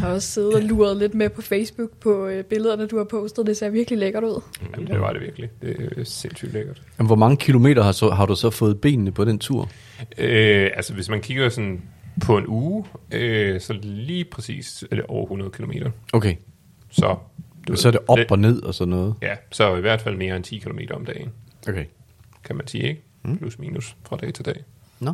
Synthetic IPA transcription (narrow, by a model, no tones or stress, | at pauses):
hɑ̈ɒ̽sse̝ːð̩ˠɒluːɐð̞̩ˠle̝d̥mepʰɒ̽feɪsb̥uɡ̥̚pʰɒ̽b̥e̝ləð̞ˠɐnəd̥uhɑ̈pʰɔʊsd̥əð̩ˠd̥ese̝ɐʋiɐɡ̥lileɡ̥ɐɾuð̰ˠæmndd̥eʋɑ̈d̥eʋiɐɡ̥lid̥e̝sen̰sy̰ːd̥leɡ̥ɐd̥æmʋɒmɑ̈ŋəkʰilo̝me̝̰ːdɐhɑ̈sɒɦɑ̈ɾ̥usɒ̽fɔ̽ːð̞̩ˠb̥e̝̰ːnnəpʰɒ̽d̥ent͡sʰuɐ̰ | øælsəʋe̝smænkʰiɡ̥ɐsɒnpʰɒ̽e̝nuːøsɒ̽liːpʰʁɛsḭːsd̥eʔɒʊɐhunɐðˠkʰilo̝me̝̰ːdɾ̥ɐʔokʰe | sɒ̽d̥eesɒɐde̝ʔɒ̽b̥ɒ̽ne̝ð̞̰ˠɒ̽sɒ̽d̥nːɔ̽ːð̞̩ˠjæsɒiʋæɐ̰d̥fæl̰me̝ːɐent͡sʰḭːkʰilo̝me̝̰ːɾɐɒ̽md̥ɛ̰ːɪn̩ʔokʰe | kʰæmænsḭːeɡ̥ə | pʰlusmḭːnusfʁɑ̈d̥ɛ̰ːt͡sʰe̝d̥ɛ̰ː | n